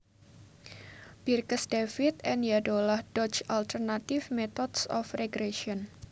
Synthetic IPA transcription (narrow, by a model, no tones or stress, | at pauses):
b̥irkəsdefɪt̪ɛnjadolahd̥ɔt͡ʃalt̪ərnat̪ɪfmet̪ɔdsɔ̰freɡɾeʃiɔn